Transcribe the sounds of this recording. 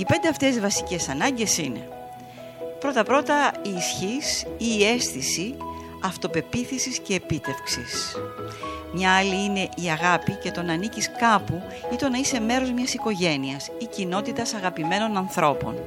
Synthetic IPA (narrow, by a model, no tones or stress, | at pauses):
ipe̞nd̪e̞ɐft̪e̞zvɐsi̥ce̞sɐnɐɲɟe̞sine̞̰ | pɾo̞t̪ɐpɾo̞t̪ɐiːsçisiːe̞sθisi | ɐft̪o̞pe̞piθisisce̞ːpit̪e̞fksis | mɲɐɐliine̞ʔiɐɣɐpice̞t̪o̞nɐniciskɐpu | it̪o̞nːɐise̞me̞ɾo̞zmɲɐsiko̞ʝe̞niɐsicino̞t̪it̪ɐsɐɣɐpime̞no̞nɐnθɾo̞po̞̰n